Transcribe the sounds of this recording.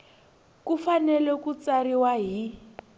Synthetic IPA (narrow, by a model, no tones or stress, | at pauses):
kufanɛlɛkut͡saɾiwaɦi